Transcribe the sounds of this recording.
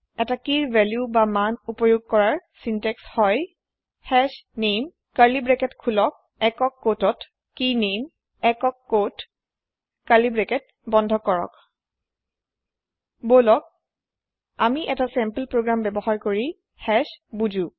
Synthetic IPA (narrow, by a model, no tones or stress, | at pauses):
ɛtakiɹvʱɛljubamanupɔjoɡ̚kɔɹaɹsintɛkshɔj | hɛsnem | kalibɹɛkɛtkʰulɔk̚ | ɛkɔkːotɔt | kinem | ɛkɔkːot | kalibɹɛkɛt̚ | bɔndʱɔkɔɹɔ̰k | bolɔk̚ | amiʔɛtasɛmpəlpɹoɡɹambɛbɔxaɹkoɹi | hɛsbud͡ʒu